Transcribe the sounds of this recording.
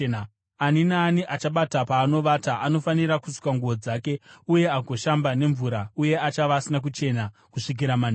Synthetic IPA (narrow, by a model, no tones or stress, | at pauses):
aninaːniʔat͡ʃaɓatapaːno̞ʋataʔano̞faniɾakusu̥kwaŋɡuʋo̞d͡zaːke̞uje̞aɡoʃambane̞ɱvuɾauje̞at͡ʃaʋaːsinak̬ut͡ʃe̞na | kuʂik̬iɾaman